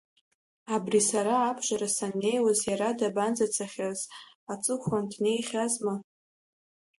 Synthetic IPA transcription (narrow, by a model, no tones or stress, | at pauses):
abrisaɾaːbʒʷaɾasanːe̞jwazjaɾadaband͡zat͡sʰaχʲaz | at͡sʼɨkʷʰandne̞jχʲazma